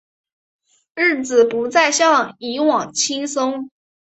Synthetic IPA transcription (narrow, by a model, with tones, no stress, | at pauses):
ɻɻ̩˥˩t͡sɹ̩˨˩pu˧˥t͡sa˥˧ɪɕjɑ˥˩ŋi˧˥wɑ˨˩ŋt͡ɕʰi˥ŋsʊ˥ŋ